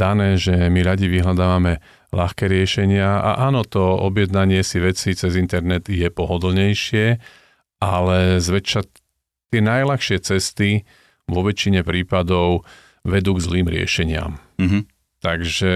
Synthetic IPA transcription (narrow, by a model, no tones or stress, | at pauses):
d̪anɛːʒɛmiɾaɟiʋiɦlad̪aːʋamɛ | laxkɛːɾɪɛʃɛɲɪaa̰ʔaːnɔt̪ɔɔ̰bjɛd̪naɲɪɛsiʋɛt͡sit͡sɛzint̪ɛɾnɛd̪jɛpɔɦɔd̪l̩ɲɛjʃɪɛ | alɛzʋɛt͡ʃa | t̪ɪɛnajlaxʃɪɛt͡sɛst̪i | ʋɔʋɛt͡ʃiɲɛpɾiːpad̪ɔʊ | ʋɛd̪uːɡzliːmɾɪɛ̰ʃɛɲɪa̰m | t̪aɡʒɛ